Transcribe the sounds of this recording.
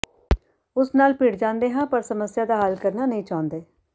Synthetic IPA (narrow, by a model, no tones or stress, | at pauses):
ʊsnaːlpɪɽd͡ʒãːnd̪eːɦãːpəɾsəməsjaːd̪aːɦəlkəɾnaːnəɦĩːt͡ʃaːʊ̃nd̪eː